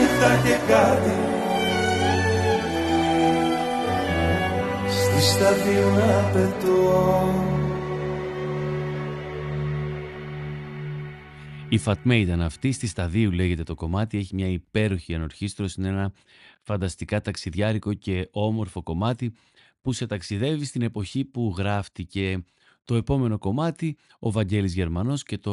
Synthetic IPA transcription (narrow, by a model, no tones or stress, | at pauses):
it̪ɐçekɐt̪i | st̪ist̪ɐðiunɐpet̪uonu | ifɐt̪me̞it̪ɐnɐft̪ist̪ist̪ɐðiule̞ʝe̞t̪e̞t̪o̞ko̞mɐt̪ie̞çimɲɐipe̞ɾo̞çiɐno̞ɾçist̪ɾo̞sinenɐ | fɐnd̪ɐst̪ikɐt̪ɐksiðʝɐɾiko̞ce̞o̞mo̞ɾfo̞ko̞mɐt̪i | puse̞t̪ɐksiðe̞vist̪ine̞po̞çipuɣɾɐft̪ice̞ | t̪o̞e̞po̞me̞no̞ko̞mɐt̪i | ovɐɲɟe̞lizʝe̞ɾmɐno̞sce̞t̪o